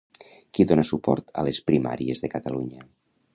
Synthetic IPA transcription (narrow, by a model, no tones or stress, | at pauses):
kiðonəsupɔ̰ɾt̪ə̰lespɾima̰ɾiezðəkat̪aluɲə